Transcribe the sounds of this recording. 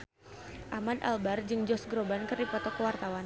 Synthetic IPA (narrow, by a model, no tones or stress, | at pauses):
ʔamad̪a̰lbard͡ʒɨŋd͡ʒɔsɡɾobankɨrdipɔt̪ɔkəwart̪awan